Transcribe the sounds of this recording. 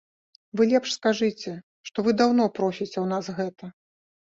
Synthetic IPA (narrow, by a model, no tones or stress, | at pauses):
vɨlʲɛpʂskaʐɨt͡sʲɛ | ʂt̪ɔvɨd̪awn̪ɔpɾɔsʲit͡sʲɛwnasɣɛt̪ɐ